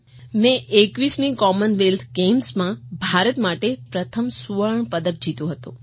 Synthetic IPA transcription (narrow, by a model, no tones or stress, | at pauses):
mẽʔekʋisnikɔmənʋelt̪ʰɡemsmãbʱaɾət̪maʈepɾət̪ʰəmsuʋəɭəɳpəd̪ək̚d͡ʒit̪ũɦət̪ṵ̃